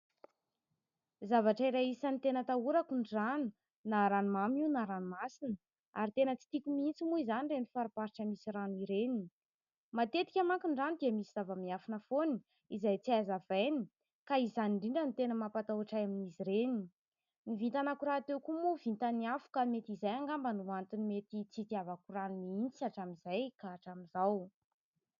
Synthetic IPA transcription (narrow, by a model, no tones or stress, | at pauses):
zavaʈ͡ʂəiɾaisanit̪enət̪auɾakuɳɖ͡ʐanu | naɾanumamiwnaɾanumasinə | aɾit̪enət͡si̥t̪ikʲumint͡simuizanirenifaɾipaɾiʈ͡ʂəmisiraniɾeni | mat̪et̪i̥kʲamakʲuɳɖ͡ʐanid̪iəmisiz̥avəmiafanəfoni | izajt͡siazavejni | kaizaniɳɖ͡ʐiɳɖ͡ʐənit̪enəmapat̪awaʈ͡ʂajaminiziɾeni | nivint̪anakuɾaːt̪ewkumuvint̪aniafu̥kamet̪izajaŋɡambanuant̪inimet̪it͡sit̪iavakuranumiint͡saʈ͡ʂamizajkaːʈ͡ʂamizaw